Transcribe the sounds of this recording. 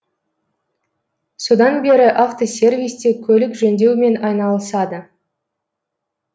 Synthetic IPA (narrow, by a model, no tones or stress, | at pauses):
so̞d̪ɑnbe̞ɾɪʔaft̪o̞sʲe̞rvʲijst̪e̞kʲʰɵlɪkʒɵnd̪e̞wme̞nɑjnɑlˠəsɑd̪ə